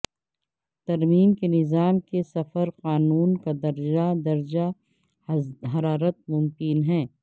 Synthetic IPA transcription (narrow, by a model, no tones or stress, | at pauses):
t̪ɐɾmiːmkenɪzaːmkesɐfəɾqaːnuːnkad̪ɐɾd͡ʒad̪ɐɾd͡ʒa | ɦɐɾaːɾət̪̚mʊmkɪnɦɛ̃ː